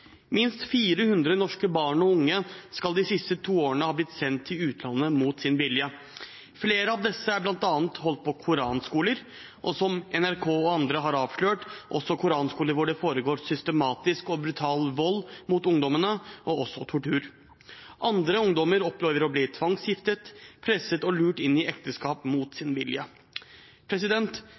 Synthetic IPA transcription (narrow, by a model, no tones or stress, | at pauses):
mɪnst̪fiːɾəhʉnd̪ɾənɔʂkəbɑːɳɔʊŋːəskɑld̪ɪsɪst̪ət̪ʰuːoːɾəɳəhɑːblɪt̪sɛnt̪ʰːɪlʉːt̪ʰlɑnːəmuːt̪sɪnʋɪljə | fleːɾəɑʋd̪ɛsːəæblɑnt̪ɑːnt̪hɔlt̪̚pʰɔkʰʊɾɑːnskuːləɾ | ʔɔsɔmɛnæɾkʰoːɔɑnd̪ɾəɦɑɾɑːʋʂløːʈʔɔ̰sɔkʰʊɾɑːnskuːləɾʋʊɖɛfoːɾəɡoːɾsʏst̪əmɑːt̪ɪskɔbɾʉt̪ʰɑːlʋɔlːmut̪ʊŋd̪ɔmənəʔɔɔsɔt̪ʰʊʈʉːɾ | ʔɑnd̪ɾəʊŋd̪ɔməɾɔpleːʋəɾɔbliːt̪ʰʋɑŋsjɪft̪ət̪pʰɾɛsːət̪ɔlʉːʈɪnːɪʔɛkt̪əskɑːpmuːt̪sɪnʋɪljə | pʰɾɛsɪd̪ɛnt̪